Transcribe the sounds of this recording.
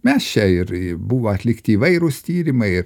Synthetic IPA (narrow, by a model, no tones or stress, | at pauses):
mʲɛst͡ʃʲɛɪɾɪbuʋoːɐt̪ʲlʲɪkt̪ʲɪːʋɐɪɾʊst̪ʲiːɾʲɪmɐɪɪɾ